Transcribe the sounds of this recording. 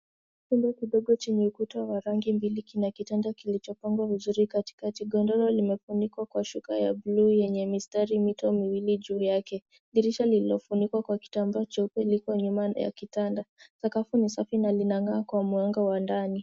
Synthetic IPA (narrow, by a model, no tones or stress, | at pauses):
kundɔkiɗɔɡɔt͡ʃɛɲɛukutawaɾaŋɡimbilikinakitandakilit͡ʃɔpaŋɡwavizuɾikati̥katiɡɔndɔlɔlimɛfunikwakwaʃukaja̰bluːjɛɲɛmistaɾimitɔmiwilid͡ʒuːjakɛ | ɗiɾiʃalililɔfunikwakwaki̥tambaɔt͡ʃɛupɛlikwɔɲumaja̰kitandasakafunisafinalinaŋaːkwamuaŋɡawandani